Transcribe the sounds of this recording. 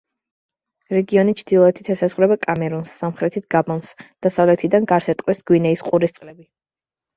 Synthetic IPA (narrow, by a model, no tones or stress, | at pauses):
ɾɛɡiɔnit͡ʃʰd̪ilˠɔɛt̪ʰi̥t̪ʰɛsazʁwɾɛbakʼamɛɾunsːamχɾɛt̪ʰit̪̚ʰɡ̥abɔnsd̪̥asavlɛt̪ʰid̪anɡaɾsɛt̪ʼqʼwɛsɡ̥winɛisqʼuɾist̪sqʼlɛbi